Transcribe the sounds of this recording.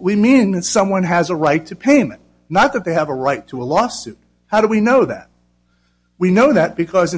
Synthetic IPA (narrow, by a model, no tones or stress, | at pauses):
wimĩnðɨtsʌ̃mwʌ̃nɨzəɹaɪtʰɨpʰẽɪ̃mɨ̰̃n | nət̪̚ðɨt̪̚ðeɪɨvəɹaɪtʰəəlɔsʉt̚ | haʊɾəwinoʊðæ̰t̚ | winoʊðɨt̚b̥ɨkʰʌzɨ̃